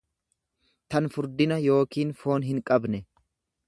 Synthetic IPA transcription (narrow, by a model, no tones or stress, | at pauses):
t̪ɐnfʊɾd̪ɪnɐjo̞ːkiːnfo̞ːnɦɪŋkʼɐbnɛ